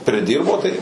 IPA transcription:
pʲrʲɪˈdʲiːrboː tɐɪ

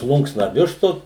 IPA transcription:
ˈplˠʊŋksnɐ ˈʋʲɪʃtoːs

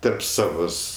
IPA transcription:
tɐrp ˈsɑːʋoːs

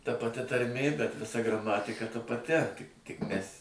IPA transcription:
tɐ pɐˈtʲɪ tɐrʲˈmʲeː bʲɛt ʋʲɪˈsɐ ɡrɐˈmɑːtʲɪkɐ tɐ pɐˈtʲɪ tʲɪk ˈmʲæsʲ

